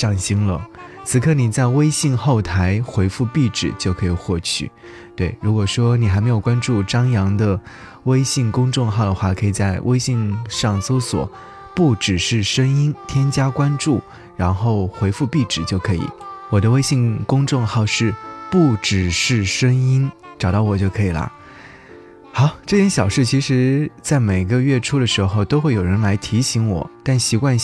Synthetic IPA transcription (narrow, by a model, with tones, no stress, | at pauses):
ʈ͡ʂɑ˥˩ŋɕi˥ŋlə˨t͡sʰɹ̩˨˩kʰɤ˥˩ni˨˩t͡sa˥˩ɪwe˥ɪɕi˥˧ŋxo˥˩ʊt̪ʰa˧˥ɪxwe˧˥ɪfu˥˧pi˥˩ʈ͡ʂɻ̩˨˩t͡ɕjo˥˩ʊkʰɤ˧˥i˨˩xwɔ˥˩t͡ɕʰy̰˥˩ | t̪we˥˩ɪɻu˧˥kwɔ˨˩ʂwɔ˥ni˨˩xa˧˥me˧˥ɪjo˨˩ʊkwa˥nʈ͡ʂu˥˩ʈ͡ʂɑ˥ŋjɑ˧˥ŋd̪ə˧ | we˥ɪɕi˥˩ŋkʊ˥ŋʈ͡ʂʊ˥˧ŋxɑ˥˩ʊd̪ə˩xwa˥˩kʰɤ˧˥i˨˩t͡sa˥˧ɪwʔe˥ɪɕi˥˧ŋʂɑ˥˩ŋso˥ʊswɔ̰˨˩˦ | pu˥˩ʈ͡ʂɻ̩˨˩ʂɻ̩˥˩ʂə˥ŋi˥nt̪ʰjɛ˥nt͡ɕja˥kwa˥nʈ͡ʂu˥˩ | ɻa˧˥nxo˥˩ʊxwe˧˥ɪfu˥˧pi˥˩ʈ͡ʂɻ̩˨˩t͡ɕjo˥˩ʊkʰɤ˧˥ḭ˨˩˦wɔ˨˩d̪ə˦we˥ɪɕi˥˧ŋkʊ˥ŋʈ͡ʂʊ˥˧ŋxɑ˥˧ʊʂɻ̩˥˧pu˥˩ʈ͡ʂɻ̩˨˩ʂɻ̩˥˩ʂə˥ŋi˥nʈ͡ʂɑ˨˩ʊt̪ɑ˥˩ʊwɔ˨˩t͡ɕjo˥˩ʊkʰɤ˧˥i˨˩lə̰˦ | xɑ˨˧˥ʊʈ͡ʂɤ˥˩tʰjɛ˥nɕjɑ˨˩ʊʂɻ̩˥˩t͡ɕʰi˧˥ʂɻ̩˧˥t͡sa˥˩ɪme˨˩ɪɡə˦ɥɛ˥˩ʈ͡ʂʰu˥d̪ə˨ʂɻ̩˧˥xo˥˧ʊt̪o˥ʊxwe˥˩ɪjo˨˩ɻə˧˥nla˧˥ɪt̪ʰi˧˥ɕi˧˥ŋwɔ̰˨˩˦t̪a˥˩nɕi˧˥kwa˥˧n